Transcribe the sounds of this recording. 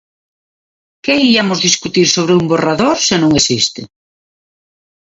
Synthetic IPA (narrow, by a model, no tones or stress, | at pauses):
keiamʊzðiskut̪iɾsoβ̞ɾɪumboraðoɾsenõŋesist̪ɪ̰